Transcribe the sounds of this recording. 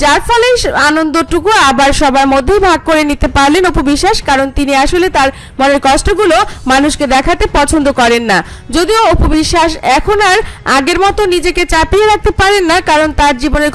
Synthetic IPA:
d͡ʑaɾfɔleanond̪oʈukuabaɾʃɔbaɾmod̪ʱːejbʱaɡ̚koɾenit̪epaɾlenopobiʃːaʃkaɾont̪iniaʃolet̪aɾ | moneɾkɔsʈoɡulomanuʃked̪ɛkʰat̪epɔt͡ɕʰond̪okɔɾenːa | d͡ʑod̪ioopobiʃːaʃɛkʰonaɾaɡeɾmɔt̪onid͡ʑeket͡ɕapieɾak̚t̪epaɾenːakaɾont̪aɾd͡ʑiboneɾ

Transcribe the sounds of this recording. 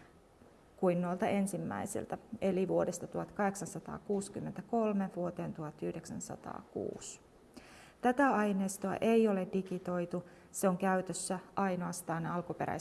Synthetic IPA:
kuinːolt̪ɑʔe̞nsimːæ̰isḭlt̪æe̞liʋuo̞dest̪ɑt̪uhɑt̪kɑɦe̞ksɑnsɑt̪ɑ̰ːkuːskymːe̞nt̪æko̞lme̞ʋuo̞t̪e̞ːnt̪uɦɑt̪ːyhde̞ksæ̰nsɑ̰t̪ɑ̰ːkṵːs | t̪æt̪æɑjne̞ːst̪oɑ̰ʔe̞jo̞le̞dikit̪o̞jt̪u | se̞oŋkæyt̪øsːæʔɑjno̞ɑst̪ɑːnɑlkupe̞̰ɾæ̰

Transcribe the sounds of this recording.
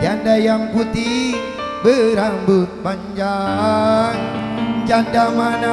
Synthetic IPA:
d͡ʒandajaŋput̪iŋ | bəɾambʊt̪̚paɲd͡ʒa | ŋd͡ʒandamana

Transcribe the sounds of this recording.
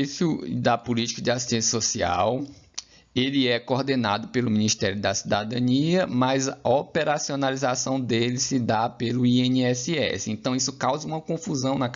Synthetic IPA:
sʊd̪ɐpʊlit͡ʃi̥kɐd͡ʒɪasi̥ʃt̪ẽsjɐsosia̰w | elɪɛkoɾd̪ena̰d̪ʊpelʊmĩniʃt̪ɛɾjʊd̪ɐsid̪ad̪ɐ̃niɐmɐzɐopeɾasionalizasɐ̃w̃d̪elɪsɪd̪apelʊiẽniɛsiɛ̰sɪẽt̪ɐ̃w̃isʊ̥kawzɐũmɐkõfuzɐ̃w̃nɐ

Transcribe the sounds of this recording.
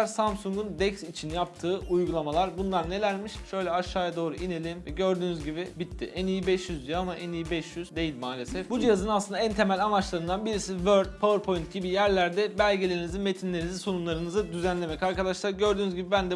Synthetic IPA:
ɾsamsuŋɡund̪ɛcsit͡ʃʰinjap̚t̪ʰɯːujɡulˠamalˠaɾbunlˠaɾne̞lʲæɾmiʃʃø̞jlʲɛaʃaːjad̪o̞ːɾuʔine̞lʲimvɛɟø̞ɾd̪yːnyzɟibibit̪ʰːḭʔænijibɛʃjyzd̪ijamaʔɛnijibɛʃjyzd̪e̞jilʲmaːlʲe̞sɛfbud͡ʒijazɯnaslˠɯnd̪aænt̪ʰe̞mælʲamat͡ʃlˠaɾɯnd̪anbiɾisivøɾd̪̚pʰavɯɾpʰo̞jint̪̚ɟibijæɾlʲæɾd̪ɛbælʲɟelʲe̞ɾinizime̞t̪ʰinlʲeɾinizisonunlˠaɾɯnɯzɯd̪yzænlʲe̞mɛcaɾkad̪aʃlˠaɾɟø̞ɾd̪yːnyzʲɟibibænd̪ɛ

